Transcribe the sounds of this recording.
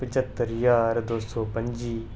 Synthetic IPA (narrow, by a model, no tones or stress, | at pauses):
pət͡ʃət̪ːəɾjaːɾd̪oːsoːpə̃ɲd͡ʒiː